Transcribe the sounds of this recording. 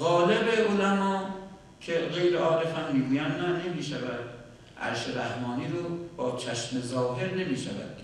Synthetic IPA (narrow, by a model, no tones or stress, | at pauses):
ɣɒːlebeolæmɒː | kʰeɣe̞jɾeɒːɾefæmːiːɡuːjænnæne̞miːʃævæd̪̚ | ʔæ̰ɾʃeɾæhmɒːniːɾobɒːt͡ʃʰæʃmezɒːɦe̞ɾne̞miːʃævæ̰d̪̥